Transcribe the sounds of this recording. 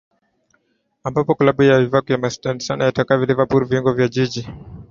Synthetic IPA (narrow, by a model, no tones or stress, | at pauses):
ambapɔklaɓujavivakujamastanisanajatakavilivapuɾviiŋɡɔvjaʄiʄi